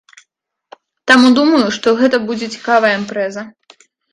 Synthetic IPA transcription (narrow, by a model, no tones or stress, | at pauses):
t̪amud̪umɐjuʂt̪ɔɣɛt̪ɐbud͡zʲɛt͡sʲi̥kavɐjɐimpɾɛzɐ